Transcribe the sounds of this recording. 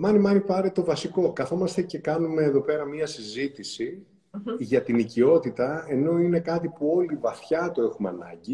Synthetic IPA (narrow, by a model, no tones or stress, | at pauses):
mɐnimɐnipɐɾet̪o̞vɐsiko̞kɐθo̞mɐst̪e̞ce̞kɐnume̞ːðo̞pe̞ɾɐmiɐsizit̪isi | ʝɐt̪inicio̞t̪it̪ɐe̞no̞ine̞kɐt̪ipuo̞livɐθçɐt̪oe̞xumeɐ̰nɐ̰ɲɟi